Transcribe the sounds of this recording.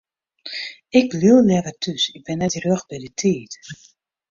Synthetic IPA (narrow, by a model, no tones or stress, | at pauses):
ɪk̚bliəlˠlɛvətʰysɪk̚bɪnːɛtrøxbɛdətʰiət